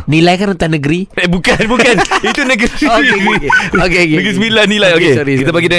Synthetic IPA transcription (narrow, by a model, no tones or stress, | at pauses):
nilajkanənt̪anəɡəɾiebukanbukanit̪unəɡisiiokenəɡɾisəbilanilajokekit̪apaɡidə